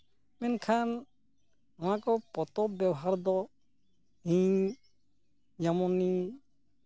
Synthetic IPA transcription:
mɛnkʰan | ɔwakɔpɔt̪ɔbjɛwɔɦaɾd̪ɔ | ɦĩ | d͡ʒamɔni

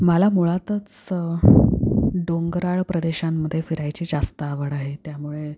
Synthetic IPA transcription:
məlamuɭat̪ət͡s | ɖoŋɡɾaɭpɾəd̪eɕamːəd̪ʱːjefiɾajt͡ɕiːd͡zast̪əːʋəɽaɦet̪jamuɭe

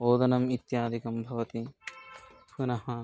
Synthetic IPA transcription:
oːd̪ɐnɐmit̪jaːd̪ʱikɐmbʱɐʋɐt̪i | punɐɦɐ

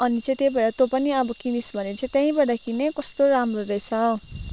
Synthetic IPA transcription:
ʌnit͡sʌ̃j̃t̪ebʌɽat̪opʌniʌbʌkinisbʱʌnet͡sʌ̃t̪jãĩbʌɽakinekʌst̪oɾamroɾet͡sʰʌ

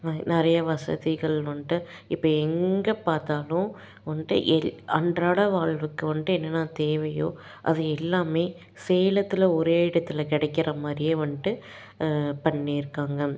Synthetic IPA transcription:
nɪɾɐjɐʋɐsɐ̰ðɪɣɐɭʋɐɳɖɯ | ɪpːɐːɛŋɡɐpaːɾt̪aːlʊ̃ | ʋɐnɖɯ̰ʔɛɐɳɖraːɭɐʋaːɻʋɯkːɯʋɐɳɖɯɛnːɐnːaːt̪eːʋɐjo̰ː | ʔɐ̰ðɯɛlːaːmeː | sɛjlɐt̪ːɪlɐɔɾeːɪɽɐt̪ːɪlɐkɪɽɐɪkːɪrɐmaːɾɪjeʋɐɳɖɯ | pɐɳːiɪɾɯkːaːŋɡɐ

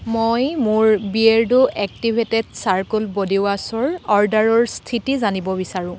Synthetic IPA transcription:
mojmʊɹbieɹdʊʔɛk̚tibʱetɛdsaɹkulbodiʊasɔɹɔɹdaɹɔɹstʰitizanibɔbisaɹʊ̃

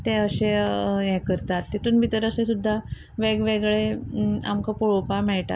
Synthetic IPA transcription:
t̪eəɕejɛkəɾt̪at̪ːit̪uːnbʱit̪əɾəsẽsud̪ʱːa | ʋeɡʋeɡɭea̰mkapoɭopamɛɭʈ̪a̰t̪

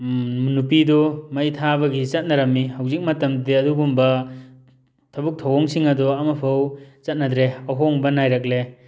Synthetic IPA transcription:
mnupidɔmɐjtʰabɐɡit͡ʃɐt̚nɐɾɐmːihawzik̚mɐtɐmdiɐduɡumbɐ | tʰɐbuk̚tʰawɔŋsiŋɐdɔɐmɐpʰawt͡ʃɐt̚nɐdɾeɐɦɔŋbɐnajɾak̚le

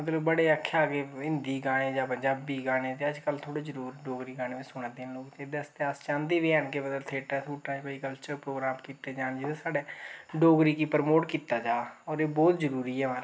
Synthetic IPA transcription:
mət̪ləbbəɽeːəkʰːaːkeɪ̃nd̪iːɡaːnẽːd͡ʒaːpəɲd͡ʒaːbiːɡaːnẽːt̪eːəd͡ʒkəlt̪ʰoːɽeːzəɾuːɾɖoːɡɾiːɡaːñeːʋẽsʊɽ̃aːd̪eːnloːkt͡ʃeːd̪əst̪eəst͡ʃãːnd̪iːʋeːənkemət̪ləbt̪ʰeːʈɛ̃ːt̪ʰuːʈːãːd͡ʒpəikəlt͡ʃəɾpɾoːɡɾaːmkiːt̪eːd͡ʒãːnd͡ʒɪd̪esaːɖeːɖoːɡɾiːkiːpəɾmoːʈkiːt̪aːd͡ʒaːɔːɾeːbɔːt̪d͡ʒəɾuːɾiːɛːmaɾ

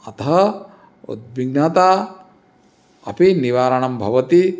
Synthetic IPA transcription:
ɐt̪ɐɦɐ | ṵd̪̚ʋiɡ̚nɐt̪aː | ɐpiniʋaːɾɐɳɐmbʱɐʋɐt̪i

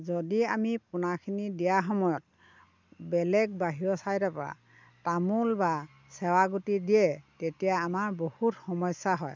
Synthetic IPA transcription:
zɔdiamipʊnakʰinidijaxɔmɔjɔt̚ | bɛlɛɡ̚baɦiɹɔsajɾɛpɔɹa̰ | tamulba | sɛwaɡutidijɛtetijaːmaɹbohutxɔmɔsaɦɔj

